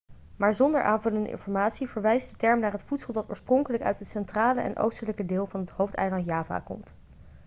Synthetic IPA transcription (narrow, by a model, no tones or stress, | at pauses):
maːɹzɔndə̰ɹʔaːnvɵləndə̰ʔɪ̰nfɔɹmaːtsivəɹʋɛjsdətɛɹmnaːɹɦətfutsəlˠdɑto̰ːɹsprɔŋkələkœ̰ɥtətsɛntraːləʔɛ̰nʔo̰wstələkədɪːlˠvɑnɦətɦowftɛ̰jlɑntjaːva̰kɔ̰mt